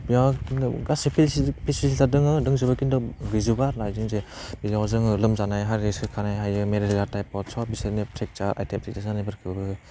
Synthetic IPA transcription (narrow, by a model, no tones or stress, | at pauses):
biawkin̰ɡasipʰipʰisisiadɯŋɯdɯŋzɯbakindɔɡɯzubaɾlajzɯŋzebizawzɯŋɯlɯmzanajɦaɾesʰɯkʰanajɦajɯmeɾillaɾtajpɔtsɔbisɯɾnitʰɾek̚t͡ʃaɾʔa̰jtemtʰik̚tazanajbɯɾkʰɯbɯ